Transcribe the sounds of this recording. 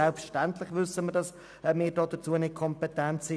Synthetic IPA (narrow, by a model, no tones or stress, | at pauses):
ɛlpfʃtɛntlɪχʋʏsəməd̥ɑs | mɪːɾdɔːd̥ət͡suːənɪkʰɔmpɛtɛnt͡si